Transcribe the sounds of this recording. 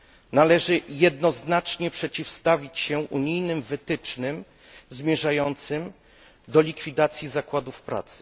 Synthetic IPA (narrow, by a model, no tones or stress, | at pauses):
nalɛʐɘjɛd̪nɔznat͡ʂɲɛpʂɛt͡ɕifst̪avʲit͡ɕɕɛʔuɲijnɘmvɘt̪ɘt͡ʂnɘm | zmʲjɛʐajɔnt̪sɘm | d̪ɔlʲikfʲid̪at̪sʲjizakwad̪ufpɾa̰t̪sɘ̥